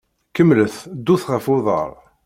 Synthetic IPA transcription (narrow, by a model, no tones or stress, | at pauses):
kəmːləθd̪ːuθʁəfʊðˤə̰ɾˤ